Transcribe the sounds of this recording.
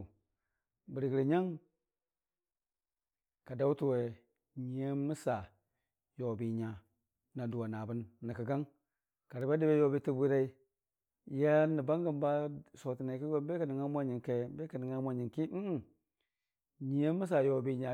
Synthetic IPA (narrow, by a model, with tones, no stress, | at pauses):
bə˨ɾi˨ɡi˨ɾi˨ɲa˦ŋ | ka˨da˦u˦tu˨we˨ | ɲi˨je˦mi˦sa˨ | jo˨bi˨ɲa˨ | na˨du˨wa˨na˨bə˦nːi˨kə˨ɡa˦ŋ | ka˨ɾi˨ba˦di˦be˦jo˨bi˦ti˦bu˦ɾa˦i˦ | ja˦ni˨ba˦ŋɡə˨mba˦so˨ti˨na˨ki˦e˦be˦ka˨ni˨ŋa˦mʷa˦ɲi˨nke˨be˦ka˨ni˨ŋa˦mʷ˦a˦ɲi˨nki˦m̩˦˨ | ɲi˨je˦mːi˦s̬a˨jo˨bi˨ɲa˨